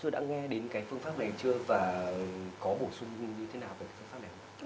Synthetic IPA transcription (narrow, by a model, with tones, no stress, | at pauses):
t̪o˧jɗa̰ː˧˥ŋɛ˧ɗe˨˦nkaː˨˦jfɨ˧əŋfaː˦˥p̚na˨˩jt͡ɕɨ˧əvaː˨˩˨kɔ˨˦ɓo˧˩swʊ˧ŋ͡mɲɨ˧t̪ʰe˨˦naː˨˩wveː˨˩kaː˨˦ffa˦˥p̚n˨˩hə˨˧˦